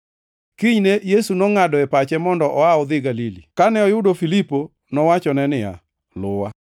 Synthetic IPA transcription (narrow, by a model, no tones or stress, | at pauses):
kiɲnejesunɔŋadɔɛpat͡ʃɛmɔndɔʔɔaɔd̪ɪɡalilḭkanɛɔjʊdofilipo | nɔwat͡ʃɔnɛnɪa̰ | lʊwa